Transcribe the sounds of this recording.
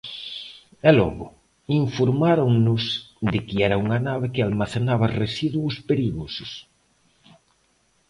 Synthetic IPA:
ɛlɔ̰ɣʊ̰ | iɱfoɾmaɾoŋnʊsd̪ɪkiɛɾɐuŋɐnaβekɪalmaθenaβɐresiðwospeɾiɣosʊ̥s

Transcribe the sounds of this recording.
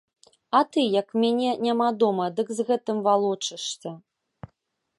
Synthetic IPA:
ɐt̪ɨjɐkmʲanʲɛnʲamad̪ɔmɐd̪ɨkzɣɛt̪ɨmvalˠɔt͡ʂɨʂsʲɐ

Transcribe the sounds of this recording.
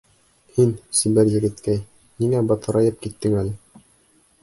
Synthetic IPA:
hinsibæɾjɘ̆ɡɘ̆t̪kæj | niŋæbɑt̪ʰɤ̆ɾɑjɤp̚kit̪ːɘŋælɘ

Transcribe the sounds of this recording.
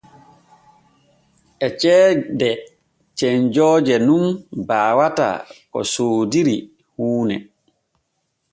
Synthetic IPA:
ʔɛt͡ʃɛːdɛ | t͡ʃɛɲd͡ʒɔːd͡ʒɛnunbaːwata̰kɔ̰soːdiɾi | huːnɛ̰

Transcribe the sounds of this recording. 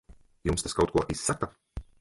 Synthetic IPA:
jumst̪askawt̪kuɔʔisːaka

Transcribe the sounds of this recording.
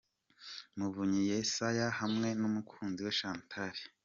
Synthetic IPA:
muvuɲijesajahamŋe̞numukʰuːnziweʃaːntʰaɾi

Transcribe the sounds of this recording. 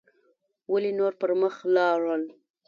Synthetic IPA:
walenoɾpəɾməxlɑɾəl

